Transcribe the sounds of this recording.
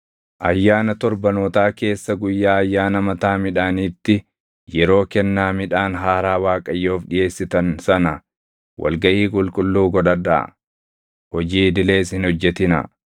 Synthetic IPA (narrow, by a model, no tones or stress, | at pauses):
ʔɐjːaːnɐt̪ɔɾbɐnoːt̪aːke̞ːsːɐɡʊjːaːɐjːaːnɐmɐt̪aːmɪᶑaːniːt̪ːɪ | jɛɾo̞ːkɛnːaːmɪᶑaːnɦaːɾaːwaːkʼɐjːoːfᶑɪje̞ːsːɪt̪ɐnsɐnɐ | wʔɐ̰lɡɐʔiːkʼʊlkʼʊlːuːɡɔᶑɐda̰ | hɔd͡ʒiːd̪ɪle̞ːshɪnhɔd͡ʒːɛt̪ɪnɐ̰